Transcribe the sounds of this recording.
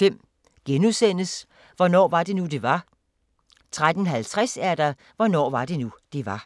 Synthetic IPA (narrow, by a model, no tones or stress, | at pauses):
fem̰ | ɡ̥enusen̰əs | ʋɒnɒ̰ːʋɑ̈d̥e̝nud̥e̝ʋɑ̈ | t͡sʰʁad̥ən̩ɦælt͡sʰʁasæɐd̥æ | ʋɒnɒ̰ːʋɑ̈d̥e̝nud̥e̝ʋɑ̈